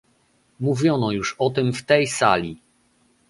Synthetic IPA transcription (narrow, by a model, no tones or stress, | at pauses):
muvʲjɔnɔjuʂɔt̪ɘmft̪ɛjsa̰lʲi